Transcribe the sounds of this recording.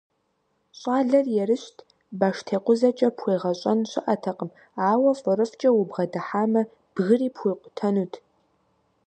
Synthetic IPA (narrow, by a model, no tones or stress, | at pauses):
ɕʼaːɮɐrjɛrɨɕtʰ | baːʂtʰeːqʷʊzɐt͡ʃʼɐpʰxʷeːʁɐɕʼɐnɕɪʔɐtʰɐqʼəm | aːwɐfʼɨɾɨft͡ʃʼɐwʊbʁɐdɐħaːmɐ | b̥ɣɨriːpxʷeːqʷʼʊ̥tʰɐnuːtʰ